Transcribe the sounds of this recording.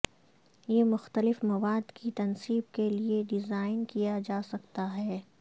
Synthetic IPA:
jeːmʊxt̪əlɪfmɐʋaːd̪kit̪ɐnsiːbkelieɖɪzaːɪnkijad͡ʒaːsɐkt̪aɦɛː

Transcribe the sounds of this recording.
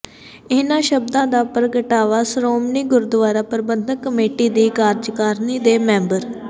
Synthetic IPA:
ɪnãːʃəbd̪ãːd̪aːpəɾəɡəʈaːʋaːsɾoːmniːɡʊɾd̪ʋaːɾaːpəɾbənd̪ʱəkːəmeːʈiːd̪iːkaːɾd͡ʒkaːɾniːd̪eːmɛ̃ːmbəɾ

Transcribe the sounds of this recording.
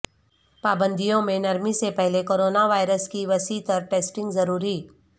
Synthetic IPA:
paːbə̃nd̪ʱijõmẽnɐɾmisepɛɦlekoːɾoːnaʋaːɪɾəskiʋɐsiːt̪ɐɾʈeːsʈɪ̃ŋɡzɐɾuːɾiː

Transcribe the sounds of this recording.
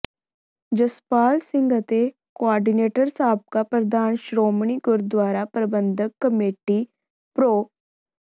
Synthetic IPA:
d͡ʒəspaːlsɪ̃ŋɡət̪e | koaːɾɖineːʈəɾsaːb̚kapɾəd̪aːnʃɾoːmɳ̃iɡʊɾd̪ʋaːɾapɾəbənd̪ʱəkːəmeːʈi | pɾoː

